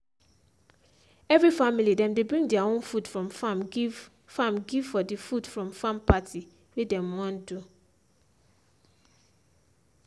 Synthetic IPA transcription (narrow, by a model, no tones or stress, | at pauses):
ɛvɹifamilidɛ̃mdebɹĩŋɡdiaõnfutfɹɔ̃mfam | fãmɡiv̥fɔdifutfɹɔ̃mfãmpatʰi | wedɛ̃mwɔ̃ndu